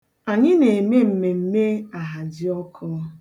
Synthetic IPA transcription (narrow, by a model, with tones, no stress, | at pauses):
a˨ɲɪ˦ne˨e˨me˦m̩˨me˨m̩˦me˦a˨ɦa˨d͡ʒɪ˦ɔ˦kʰɔ˦